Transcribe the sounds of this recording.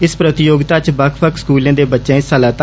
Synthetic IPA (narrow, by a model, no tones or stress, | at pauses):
ɪspɾət̪ɪjoːɡt̪aːt͡ʃbəkʰpʰəkskuːlẽːd̪eːbətːʃẽːɪsəlaːt̪